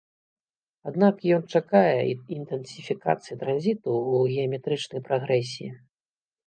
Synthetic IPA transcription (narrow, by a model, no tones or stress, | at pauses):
ad̪nakjɔnt͡ʂakajɛint̪ɛnsʲifʲika̰t̪sɨjit̪ɾanzʲit̪uːɣʲɛɐmʲɛt̪ɾɨt͡ʂnɐjpɾaɣɾɛsʲiḭ